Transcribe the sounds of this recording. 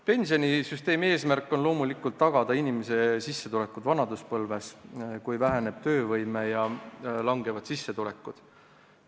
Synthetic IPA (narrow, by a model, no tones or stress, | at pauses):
pe̞nsio̞nʲisyst̪e̞ːmie̞ːsmærkːˑo̞nlo̞ːmulikːˑult̪ːɑɡ̥ɑd̪̥ɑinimese̞sisːe̞t̪ule̞kːˑud̪vɑnɑd̪uspɤlve̞skujvæɦæne̞b̥̚t̪ø̞ːvɤjme̞jɑlɑŋɡ̥e̞vɑd̪̥sisːe̞t̪ule̞kːˑud̪̥